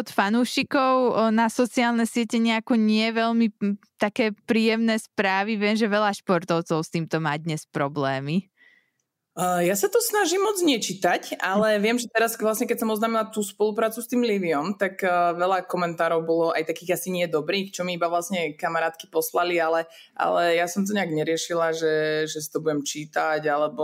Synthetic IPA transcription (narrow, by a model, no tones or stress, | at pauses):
ɔt̪fanuːʃikɔʊnasɔt͡siaːlnɛsɪɛcɛɲɪakɔɲɪɛʋɛlmit̪akɛːpɾiːjɛmnɛːspɾaːʋiʋɪɛmʒɛʋɛʎaʃpɔɾt̪ɔʊt͡sɔʊst̪iːmt̪ɔmaːd̪ɲɛspɾɔblɛːmi | jasat̪ɔsnaʒimːɔd͡zɲɛt͡ʃit̪acalɛʋɪɛmʒɛt̪ɛɾasʋlasɲɛkɛc̚sɔmɔznaːmilat̪uːspɔlupɾaːt͡sust̪iːmliʋiɔmt̪akːʋɛlakɔmɛnt̪aːɾɔʊbɔlɔʔajt̪akiːɣasiɲɪɛd̪ɔbɾiːxt͡ʃɔmiibaʋlasɲɛkamaɾaːt̪ki̥pɔslalialɛ | ʔa̰lɛjasɔmt̪̬ɔɲɛaɡɲɛɾɪɛʃilaʒɛʒɛsi̥t̪ɔbuɟɛmt͡ʃiːt̪aɟalɛbɔ